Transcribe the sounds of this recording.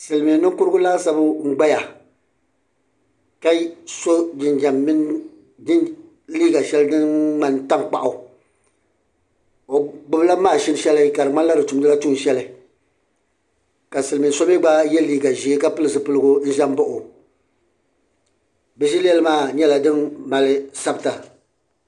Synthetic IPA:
sɨ˨lmi˨nɨ˦ŋkʊ˦ɾɡʊ˦laː˦sa˦bɨ˦ŋ͡m̩˦ɡ͡ba˦ja˨ | ka˦so˦d͡ʒɪ˨nd͡ʒa˨mːɪ˦n˦ | dɪ˦n | liː˦ɡa˨ʃɛ˦ldɨ˦nŋ͡ma˨nta˦ŋ˨k͡pa̰˨ʔʊ˨ | o˨ɡ͡bʊ˦bla˦maː˦˨ʃɪ˦n˦ʃɛ˦lɨ˦ka˨ɾɨ˨ma˦n˦la˦dɨ˨tu˨mdɨ˦la˦tu˦n˨ʃɛ˦lɨ˨ | ka˨sɨ˨lmɨ˨so˦bi˦ɡ͡ba˦jɛ˦liː˦ɡa˨ʒi˨e˦ka˦pɨ˦lɨ˨zɨ˨pɨ˦lɨ˦ɡʊ˦n̩˦ʒɛ˦m˦bʊ˦ʔʊ˨ | bɛ˨ʃi˦lɛ˦lɨ˦maː˦˨ɲɛ˦la˨dɨ˦nma˨lɪ˦sa˦bɨ˨ta˨

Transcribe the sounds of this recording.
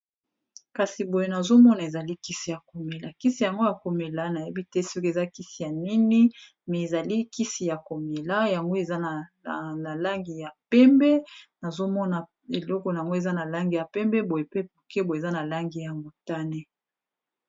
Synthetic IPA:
ka˨si˨bo˨je˦na˨zo˦mɔ˦na˨e˨za˨li˦ki˦si˨ja˨ko˨me˨la˨ki˦si˨ja˨ŋɡo˦ja˨ko˨me˨la˦na˨je˦bi˦tɛ˦si˦ke˨za˦ki˦si˨ja˨ni˦ni˦ | mɛ˨e˨za˨li˦ki˦si˨ja˨ko˨me˨la˦ja˨ŋɡo˦e˨za˦na˨na˨la˦ŋɡi˨ja˨pɛ˦mbɛ˦na˨zo˦mɔ˦na˨ | e˨lɔ˦kɔ˨na˨ŋɡo˦e˨za˦na˨la˦ŋɡi˨ja˨pɛ˦mbɛ˦bo˨je˨pe˦p̚o˨ke˦bo˨e˨za˦na˨la˦ŋɡi˨ja˨ŋɡo˨ta˦ne˦

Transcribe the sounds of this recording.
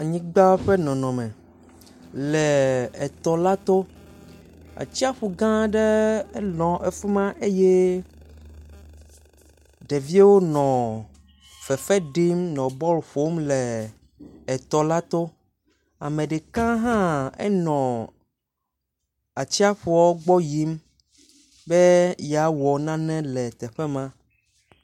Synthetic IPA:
a˨ɲĩ˦ɡ͡ba˦ɸe˦nɔ̃˨nɔ̃˨mɛ̃˨ | lɛ˨ɛ˨t̪ɔ˨la˦t̪o˦ | a̰˨t͡ɕi˦a˦ɸu˨ɡã˦ɖɛ˦lɔ̃˨ʔɛ˨fu˦mã˦ʔe˦je˦ | ɖe˨vi˦e˦wo˦nɔ̃˨ | fɛ˨fɛ˦ɖi˦mnɔ̃˨bɔ˦lɸo˦mlɛː˨ | t̪ɔ˨la˦t̪o˦ | a˨mẽ˨ɖɛ˨kã˦ɦã˦ɛ̰˦nɔ̃˨ | a˨t͡ɕi˦a˦ɸu˨ɔ˦ɡ͡bɔ˦ji˦m | bɛ˦ja˨wɔ˨nã˦nɛ̃˦lɛ˨t̪ɛ˨ɸɛ˦mã˦

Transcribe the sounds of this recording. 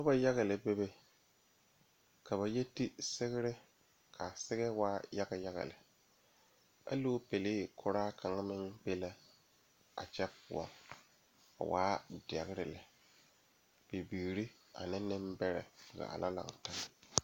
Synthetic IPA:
ta˦ba˦ja˦ɣa˨lɪ˨be˦be˦ | ka˨βa˨jɛ˦ti˦sɪ˦ɣɪ˦ɾɪ˦ | kʰa˨sɪ˦ɣɛ˦waː˦ja˦ɡa˨ja˦ɣa̰˨lɪ˨ | a̰˦loː˦pe˨lɪː˦kʰʊ˦ɾaː˦kʰa˨ŋa˦mɪ˦ŋbe˦la˦ | a̰˨t͡ʃɛ˦pʊ̰˨a̰˨ | a̰˨wa̰ː˦dɛ˨ɣɪ˦ɾɪ˨lɪ˨ | b̥e˨bi˨ɾi˦ | a̰˨nɪ˦nɪ˦mbɛ˦ɾɛ̰˨ɪ˨ɡa̰˨a̰˨la˦la̰˨ŋ˨ta˦ŋ˨

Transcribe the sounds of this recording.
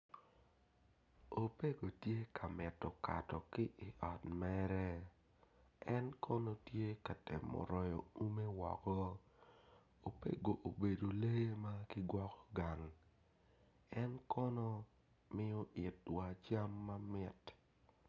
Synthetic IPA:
o˨pe˦ɡo˨tje˦kʰa˨mɪ˨tːɔ˨ka̰˨tɔ˨kɪ˦ʔɪ˨ʔɔ˨tmɛ˦ɾɛ˦ | ɛ˦nkʰɔ˦nɔ˦tje˦ka˨te˨mɔ̰˨ɾɔ˨jɔ̰˨u˦me˦wɔ̰˨kɔ˦ | o˨pḛ˦ɡo˨ʔo˨be˨do˨le˦je˦ma˦kɪ˦ɡwɔ˦kɔ̥˦ɡa˨ŋ | ɛ˦nkɔ˦nɔ˦ | mɪ˦jɔ˦ʔɪ˨twa˨t͡ʃa˦mːa˦mɪ˦t

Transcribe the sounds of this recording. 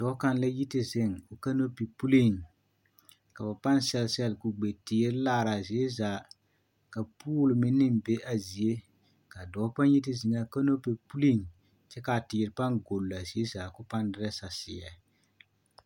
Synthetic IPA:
d̥ɔː˨˦ka˦n˦la˦ji˦tɪ˨zɪ˦ŋo˨ka˦no˦pi˨pu˦li˦˨ŋ | ka˨ba˨pa˦n˦sɛ˨lsɛ˦lkʊ˨ɡ͡be˨tɪː˨˦ɾlaː˦˨ɾa˨zi˨e˦za˨ | ka˨puː˦lmɪ˦nːɪ˦m˨be˦ʔa˨zi˨e˦ | ka˨dɔː˨˦pa˦n˦ji˦t̬ɪ˨zɪ˨ŋa˨ka˦no˦pi˨pu˦li˦˨ŋ | t͡ʃɛ˦ka˨tɪ˨ɾpa˦ŋɡo˨lːa˨zi˨˦e˦za˨kʊ˦pa˦n˦dɪ˦ɾa˦sa˨sɪ̰˨ɛ̰˨

